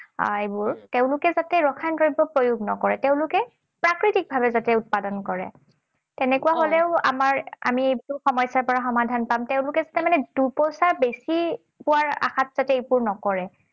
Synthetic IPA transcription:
a̰ebʊɹteʊ̃lʊkɛzatɛɹɔkʰankoɹibɔpɹojuɡnɔ̰kɔɹɛtɛʊ̃lʊkɛ | pɹakɹitik̚bʱabɛzatɛʊt̚padɔnkɔɹɛ̰ | tɛnɛkuwaɦolɛʊa̰maɹa̰mietuxɔmɔjsaɹpɔɹaxɔmadʱanpamtɛʊ̃lʊkɛzatɛmanɛduɹpɔjsaɹbesi | pʊwaɹa̰xat̚z̥atɛepuɹnɔkɔɹɛ

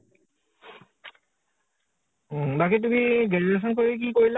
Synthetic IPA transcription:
t̪aket̪̬umiɡeneɾeʃ̬onkoɾek̬ikoɾila

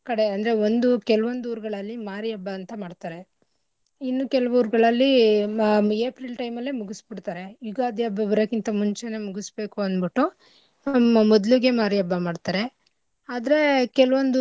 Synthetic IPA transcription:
kɐɽe̞ɐnd̪ɐɾeond̪ukɛlɐʋond̪uːɾuɡɐɭɐlːimaːɾijɐbːɐːnt̪ɐmaːɖt̪aːɾe̞ | inːukɛlɐʋuːɾuɡɐɭɐlːi | eːpɾilʈɐjmɐlːeːmuɡusbiɽt̪aːɾe̞juɡaːd̪jɐbɐbɐɾɐkint̪ɐmuɲt͡ʃenemuɡusbe̞ːkuɐnbiʈːu | mːɐmɔd̪luɡe̞maːɾijɐbːɐmaːɖt̪aːɾe̞ | aːd̪ɐɾe̞kɛlɐʋond̪u

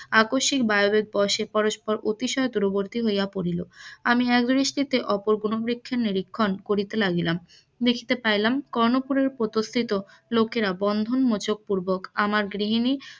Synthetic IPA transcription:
akoʃik̚baobek̚bɔʃepɔɾoʃpɔɾʔot̪iʃɔet̪uɾoboɾt̪iɦojjapoɾiloamiɛkd̪ɾiʃʈit̪eʔɔpoɾɡunobɾikʰːeniɾikʰːonkoɾit̪elaɡilam | d̪ekʰi̥t̪epajlamkɔɾnopuɾeɾpɾot̪ost̪ʰit̪o | lokeɾabɔnd̪ʱonmot͡ɕok̚puɾbokamaɾɡɾiɦini

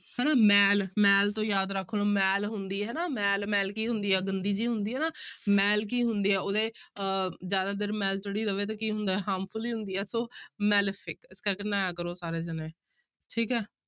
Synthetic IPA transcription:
hɛːnaːmɛːlmɛːlt̪õːjaːd̪ɾəkʰːnoːmɛːlɦʊnd̪iːɦɛːnaːmɛːlmɛːlkiːɦʊnd̪iːɦɛːɡənd̪iːd͡ʒiːɦʊnd̪iːɦɛːnaːmɛːlk̬iːɦʊnd̪iːɦɛːoːd̪eː | d͡ʒjaːd̪aːd̪eɾmɛːlt͡ʃəɽiːɾəʋeːt̪ãːkiːɦʊ̃nd̪aːɛːɦaːmfʰʊliːɦʊnd̪iːɦɛːsoːmɛːlpʰɪkɪskəɾkeːnɛ̃ːkəɾoːsaːɾeːd͡ʒəneː | ʈʰiːkɛː

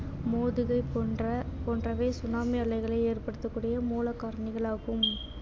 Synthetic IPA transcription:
moːðɯɣɐɪpːɐpoːnrɐʋeːsʊnaːmiɐɭɐɪɣɐɭɐɪeːrpɐɽɯt̪ːɯkːuːɽɪjɐmuːlɐkːaːɾɐɳɪɣɐɭaːɣɯm

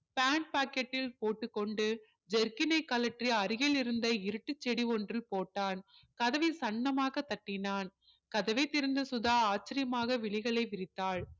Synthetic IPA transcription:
paːɳɖ̚paːkɐʈːɪlpoːʈːɯkːɔɳɖɯ | d͡ʒɛɾkɪnɐɪkːɐlɐʈriɐɾɪjɐlɪɾɯnd̪ɐɪɾɯʈːɯt͡ʃːɛɽiɔndrɪlpoːʈːaːn | kɐðɐʋɪsɐɳːɐmaːɣɐt̪ːɐʈːɪnaːn | kɐðɐʋɐɪt̪ːɪɾɯnd̪ɐsʊðaːaːt͡ʃːɪɾɪjɐmaːɣɐʋɪɭɪɣɐɭɐɪʋɪɾɪt̪ːaːɭ

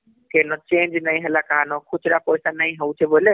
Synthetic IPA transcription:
kenɔt͡ʃẽnd͡ʒnəjɦelakaɦanɔ̃kʰut͡ʃʰɾapɔjsanəjɦəut͡ʃʰɛbole

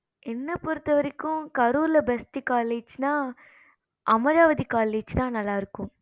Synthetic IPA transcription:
ʔɛnːɐpɔɾɯt̪ːɐʋɐɾɪkːʊ̃kɐɾuːɾlɐbɛsʈikaːleːd͡ʒnãː | ʔɐmɐɾaːʋɐðikaːleːd͡ʒt̪ãːnɐlːaːɪɾɯkːʊ̃

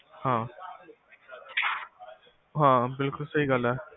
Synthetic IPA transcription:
hãː | ɦãbɪlkʊlsəɦiɡəlɛː

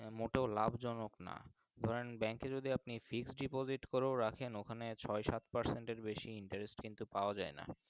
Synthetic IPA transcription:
moʈeolabʱd͡ʑɔnokna̰ | d̪ʱɔɾenbɛŋked͡ʑod̪iapnifiksɖipod͡ʑiʈkɔɾeɾakʰenokʰanet͡ɕʰɔeʃat̪paɾseɳʈeɾbeʃiiɳʈaɾesʈkint̪upaoad͡ʑaena̰

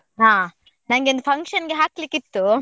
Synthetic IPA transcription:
ɦaː | nɐŋɡeond̪pʰɐŋkʂʃɐnɡeɦaːklikːit̪ːu

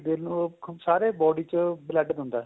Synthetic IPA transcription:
d̪ɪlnũːsaːɾeːbɔːɖiːt͡ʃəbləɖd̪ʊ̃nd̪aː

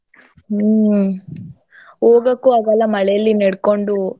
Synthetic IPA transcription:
oːɡɐkːuɐɡɐlːɐmɐɭɛjɐlːineɽkoɳɖu

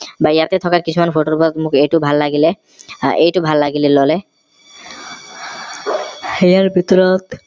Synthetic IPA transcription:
bajat̪et̪ʰɔkakit͡ɕʰumanpʰoʈoɾpɔt̪mukʰejʈubʱalːaɡilɛ | ejʈubʱalːaɡilɛlɔlɛ | hejaɹbʱit̪ɔɾɔt̪

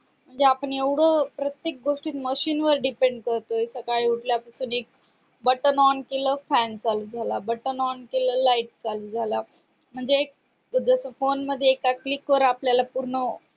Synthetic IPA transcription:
m̤əɳd͡zeapəɳeʋɽ̤əpɾət̪jek̚ɡoʂʈiːt̪məɕiːnʋəɾɖipeɳɖkəɾt̪oisəkaɭiuʈljapəsuːnek̚ | bəʈənɔnkeləfænt͡saluːd͡zʱalabəʈənɔnkeləlaiʈ̚t͡salud͡zʱala | m̤əɳd͡zeːk̚ | d͡zəsəfonməd̪ʱjeːkaklikːʋəɾəapljalapuɾɳə

